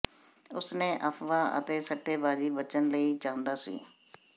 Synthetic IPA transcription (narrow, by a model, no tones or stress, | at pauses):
ʊsnẽːʔəpʰʋaːʔə̰t̪eːsəʈʰːeːbaːd͡ʒiːbət͡ʃənləiːt͡ʃãːnd̪aːsḭː